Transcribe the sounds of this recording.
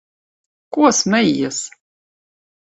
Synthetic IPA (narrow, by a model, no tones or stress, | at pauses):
kuɔsmɛjːɛs